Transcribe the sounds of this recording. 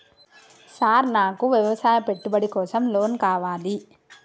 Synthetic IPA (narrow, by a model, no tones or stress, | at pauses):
saːɾnaːkuʋjɐʋɐsaːjɐpe̞ʈːubɐɽikɔːsɐmloːnkaːʋaːli